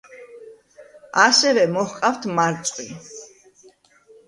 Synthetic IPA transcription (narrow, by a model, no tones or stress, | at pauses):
asɛvɛmɔhqʼaft̪ʰmaɾt̪sʼqʼwi